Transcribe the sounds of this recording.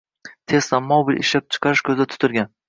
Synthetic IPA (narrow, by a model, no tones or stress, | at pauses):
t̪ʰe̞st̪ammːɒwbɪlɪ̰ʃlap̚t͡ʃʰɨ̥qʰɑɾɪʃkʲʰɵzd̪at̪ʰʊ̥t̪ʰɪɾɡʲan